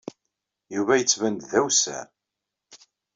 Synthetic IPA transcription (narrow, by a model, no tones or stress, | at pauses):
juvæjət͡sːvænd̪ðæwsæ̰ɾ